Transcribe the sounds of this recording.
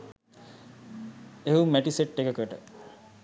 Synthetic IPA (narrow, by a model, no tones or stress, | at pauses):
eɦumæʈiseʈːekəkəʈə